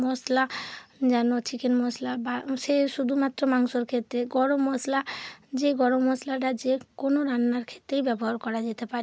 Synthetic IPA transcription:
mɔslad͡ʑɛnot͡ɕikenmɔslabaʃeʃud̪ʱumat̪ːɾomaŋʃoɾkʰet̪ːɾeɡɔɽomɔslad͡ʑeɡɔɽomɔslaʈ̬ad͡ʑekonoɾanːaɾkʰe̥t̪ːɾejbɛboɦaɾkɔɾad͡ʑet̪epaɾe

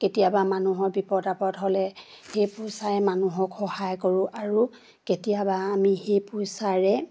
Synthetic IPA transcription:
ketijabamanuɦɔɹbipɔdapɔtɦɔlɛ | xejpʊsaɹɛmanuɦɔkxɔhajkɔɹʊ̃ʔaɹu | ketijabaːmixejpʊsaɹɛ

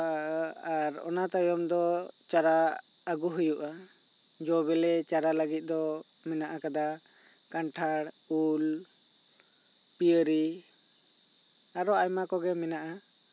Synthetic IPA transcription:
aɾɔ̰nat̪ajɔmd̪ɔt͡ʃaɾaː | ɡuɦujuʔa | d͡ʒɔβɛlɛt͡ʃaɾaləɡit̪̚ˀd̪ɔ | mɛnaʔakad̪a | kanʈʰaɽ | ul | pijəɾi | aɾɔajmakɔɡɛmɛnaʔa

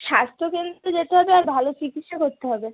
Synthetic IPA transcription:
ʃast̪ʰokend̪ɾed͡ʑet̪eɦɔbeaɾbʱalot͡ɕikit̪ʃakoɾt̪eɦɔbe

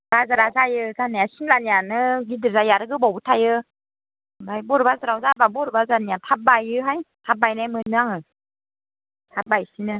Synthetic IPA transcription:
bazaɾazajɯzaniasinlanjanɯɡidɯzajaɾɯɡɯbɔwbɯtʰajɯ | bajbɔɾbazaɾawzababɔɾɯbazaniatʰap̚bajɯɦajtʰap̚bajnajmɯnɯaŋɯ | tʰap̚bajsinɯ

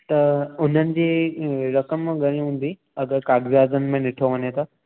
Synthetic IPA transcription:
t̪ɐʊn̤ənɪ̆d͡ʑeːɾɐkəmɡʱɐɾ̃ĩɦũːn̆d̪i | ɐɡəɾkaːɡʋijaːzənɪ̆mẽnɪʈʰoʋɐɲet̪ʰaː

